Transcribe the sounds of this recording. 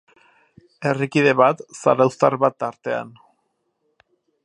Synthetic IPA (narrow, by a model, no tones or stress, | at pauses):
e̞rikiðe̞βat̪sa̰ɾawst̪aɾβat̪ːaɾt̪e̞a̰n